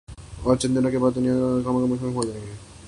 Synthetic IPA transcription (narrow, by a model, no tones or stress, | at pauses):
ɔːɾt͡ʃɪ̃nd̪enakebaːd̪̚d̪ʊnijaɦɐmakemʊʃʰekɦod͡ʒaːẽŋɡe